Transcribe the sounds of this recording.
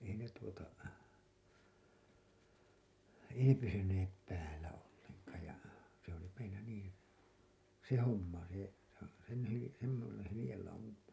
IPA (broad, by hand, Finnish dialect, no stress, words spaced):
ei ne tuotɑ ei ne pysynep pæːlːæ olːeŋkɑːj jɑ se oli meilːæ niːn̞ se homːɑ se sen hyli semːosen hylĭjelːɑumɑm